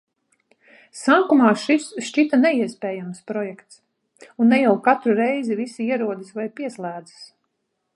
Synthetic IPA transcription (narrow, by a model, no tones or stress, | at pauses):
saːkumɑːʃisʃt͡ʃit̪anɛiɛspʲɛːjamspɾɔjɛkt̪s | unːɛjawkat̪ɾuɾɛjzivisiiɛɾuɔd̪isvajpiɛslˠæːd̪zi̥s